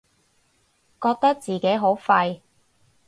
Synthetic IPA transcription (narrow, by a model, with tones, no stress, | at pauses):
kɔː˧k̚t̪ɐ˥k̚t͡siː˨ke˨˥jɦo˨˥wfɐ˧j